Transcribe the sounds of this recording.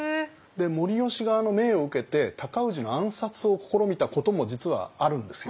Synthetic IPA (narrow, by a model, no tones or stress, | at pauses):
d̪e̞mo̞ɾʲio̞ɕiɡaːno̞me̞ːo̞ɯke̞t̪e̞t̪akaɯ̟ʑino̞ãɰ̃sat͡sɨo̞ko̞̥ko̞ɾo̞mʲit̪ako̞t̪o̞mo̞d͡ʑit͡sɨβa̰aɾɯ̟̃nd̪e̞sɨjo